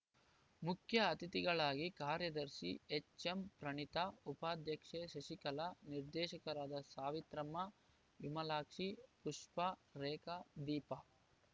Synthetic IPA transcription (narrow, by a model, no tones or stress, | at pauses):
mukʰjɐːt̪it̪iɡɐɭaːɡikaːɾjɐd̪ɐɾʃḭet͡ʃːempɾɐɳit̪aupaːd̪ʱjɐkʂeʃɐʃikɐlɐniɾd̪ɛːʃɐkɐɾaːd̪ɐsaːʋit̪ɾɐmɐ | jumɐlaːkʂipuʂpɐɾɛːkɐd̪iːpɐ